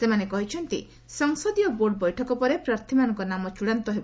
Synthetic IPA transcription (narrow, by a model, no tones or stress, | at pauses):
semanekɔɦit͡ʃʰɔnt̪ḭ | sɔŋsɔd̪ijɔboɾɖɔbɔjʈʰɔkɔpɔɾepɾaɾt̪ʰimanɔŋkɔnamɔt͡ʃuɽant̪ɔɦebɔ